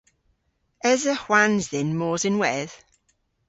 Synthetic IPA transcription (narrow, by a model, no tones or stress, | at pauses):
ɛzəhwanzðɪnmɔːzɪnwɛð̥